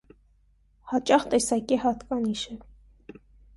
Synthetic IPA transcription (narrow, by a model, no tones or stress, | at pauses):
hɑt͡ʃʼɑχt̪ɛsɑkihɑt̪kɑniʃə